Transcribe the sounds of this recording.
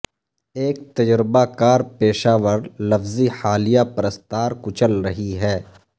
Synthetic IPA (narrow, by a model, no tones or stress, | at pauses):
eːk̚t̪ɐd͡ʒɾɪbakaːɾpeːʃaːʋəɾlɐfziħaːlijapɾəst̪aːɾkʊt͡ʃəlɾɐɦiɦɛː